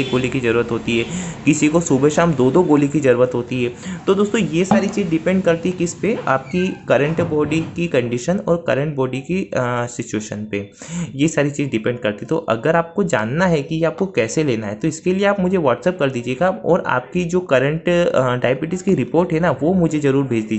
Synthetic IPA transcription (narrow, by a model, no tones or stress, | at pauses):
eːk̚ɡoːlikizɐɾuːɾət̪ɦoːt̪iɦɛːkɪsikosuːbeʃaːmd̪oːd̪oɡoːlikizɐɾuːɾət̪ɦoːt̪iɦɛːt̪od̪oːst̪õjesaːɾit͡ʃiːzɖɪpɛ̃ːɳɖkɐɾt̪iɦɛkɪspea̰ːp̚kikɐɾə̃ɳʈbɔːɖikikɐ̃ɳɖɪʃənɔ̰ːɾkɐ̰ɾə̃ɳʈ̚bɔːɖikisɪt͡ʃueːʃə̰npe | jesaːɾit͡ʃiːzɖɪpɛ̃ːɳɖkɐɾt̪iɛt̪oʔɐ̰ɡəɾaːp̚kod͡ʒa̰ːnːaɦɛkijeaːp̚kokɛːseleːnaɦɛt̪oɪskelieaːpmʊd͡ʒʱeʋaːʈsɛp̚kɐɾd̪iːd͡ʒieːɡaɔːɾa̰ːp̚kid͡ʒoːkɐɾə̃ɳʈɖaːjbɪʈɪskiɾɪpoːɾʈɦɛnaʋomʊd͡ʒʱezɐɾuːɾbʱeːd͡ʒd̪iːd͡ʒe